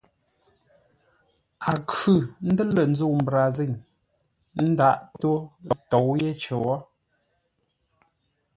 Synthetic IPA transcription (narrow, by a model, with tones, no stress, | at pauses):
a˨kʉ˦˨n̩˦də˦lə˨n̩˦d͡zo˦˨m̩˨bɾa˨ze˦˨ɲ | n̩˦da˦ʔto˦˨tɔ˨wje˦t͡ʃə˨wɔ˦